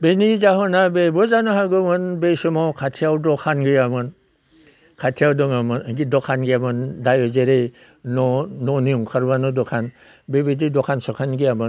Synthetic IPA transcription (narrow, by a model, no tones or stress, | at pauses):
benizahɔnabebɔzanɔɦaɡɯmɯnbejsɔmɔkʰatʰijawdɔkʰanɡɯjamɯn | kʰatʰijawdɔŋamɯnɡidɔkʰanɡɯjamɯndajɔzeɾej | nɔnɔniuŋkʰaɾbanɔdɔkʰan | bebedidɔkʰansɔkʰanɡɯjamɯn